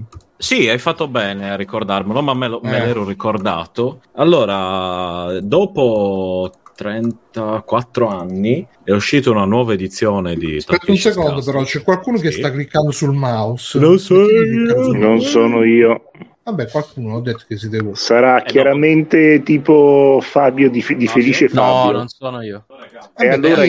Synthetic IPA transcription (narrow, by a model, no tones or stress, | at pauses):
siajfat̪ːobɛːnearːikord̪armelomamːelomelɛːɾorikord̪a̰ːt̪oalːoːɾa | d̪ɔːpo | t̪ɾɛnt̪akwat̪ːɾoanːi | ɛuʃːiːt̪ounanwɔːvaed̪it̪sːjɔːned̪ḭt̪aɛt̪ːunsekond̪op̬eɾɔt͡ʃɛkːwalkuːnok̟est̪akːlikːand̪osulmausnonsɔinonsoːnoiːo | vabːɛkːwalkuːnoɔd̪ːet̪ːo̥kes̬id̪ɛvosaɾakjaɾament̪et̪iːpofabjod̪ifd̪ifeliːt͡ʃefabononsoːnoiːo | ɛealːoːɾa